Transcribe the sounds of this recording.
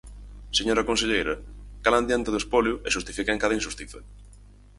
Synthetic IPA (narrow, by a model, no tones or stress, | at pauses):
seɲoɾɐkõnseʎejɾɐkaland̪jant̪eðʊespoljʊeʃust̪ifikeŋkaðɐĩnʃust̪iθḛ